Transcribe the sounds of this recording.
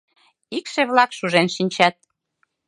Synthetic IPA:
ikʃeβlɑkʃuʒenʃinʲt͡ɕæt̪̚

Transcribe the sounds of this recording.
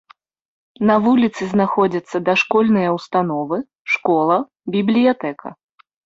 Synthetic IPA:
nɐvulʲit̪sɨznaxɔd͡zʲɐt̪sːɐd̪ɐʂkɔlʲnɨjɐwst̪anɔvɨ | ʂkɔlˠɐ | bʲiblʲijat̪ɛkʰɐ̰

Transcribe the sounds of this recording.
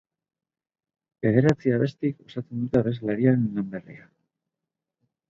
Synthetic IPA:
be̞ðe̞ɾat͡siaβe̞st̪iko̞sat͡send̪ut̪aβe̞slaɾianilamberḭa

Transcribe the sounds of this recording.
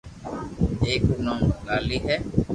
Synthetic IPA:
eːkuːnãːməlaːliːɦɛː

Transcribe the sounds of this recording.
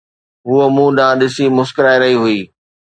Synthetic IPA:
ɦuːəmũːɗãːɗɪsimʊskɾaːiɾɐɦiɦʊiː

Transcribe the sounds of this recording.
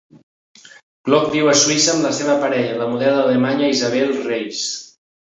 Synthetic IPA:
ɡ̥lɔk̚diwəsuisəːmləseβəpəɾɛʎələmuðɛðəlemaɲəizəβ̞ɛlˠrejs

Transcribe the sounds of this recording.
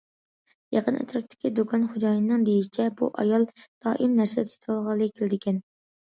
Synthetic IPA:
jɑqʰənḛt̪ʰɾɑp̚t̪ʰːɪ̥kʲid̪okʰɑnχod͡ʒɑːjnːɨŋd̪ejiʃi̥t͡ʃʰɛbṵʔɑ̰jɑlˠd̪̥ɑːʔimnæɾsɛd̪sʰe̥t̪ʰɑlˠʁɑlˠːɨkʲʰelɪd̪ɪkʲʰɛn

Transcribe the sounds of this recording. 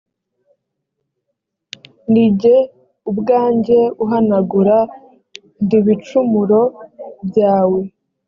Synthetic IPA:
niɟe̞ | ubɡaːɲɟe̞uɦanaɡuɾa | ndiβit͡ʃumuɾo̞bɟaːwe̞

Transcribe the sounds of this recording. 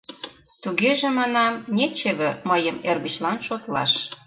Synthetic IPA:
t̪uɣeʒĕmɑnɑmnet͡ɕeβɘ̆məjəmerɣə̆t͡ɕlɑnʃot̪lɑ̰ʃ

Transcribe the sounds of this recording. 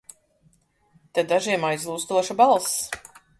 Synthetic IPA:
t̪ɛd̪aʒiɛmajzlˠuːst̪uɔʃabalˠs

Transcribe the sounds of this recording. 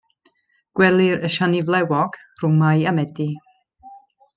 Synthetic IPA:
ɡ̥wɛlˠɪɾəʃanivlˠɛwɔɡ̥ | rʊmajamɛdi

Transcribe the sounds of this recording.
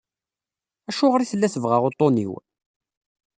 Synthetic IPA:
æʃʊʁɾiθəlːæθəvʁaʁot̪ˤːonḭw

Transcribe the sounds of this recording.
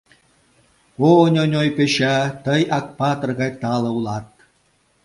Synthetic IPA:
onʲonʲojpeʃɑt̪ɤjɑk̚pɑt̪ɤ̆rɣɑjt̪ɑlɤ̆ulˠɑt̪̚

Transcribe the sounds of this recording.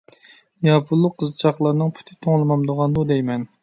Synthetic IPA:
jɑpʰulˠːʊqʰːəzɨt͡ʃʰɑχlˠɑɾnɨŋpʰy̥t̪ʰɪt̪ʰoŋlˠɨmɑmd̪oʁɑnd̪ud̪ɛjmɛn

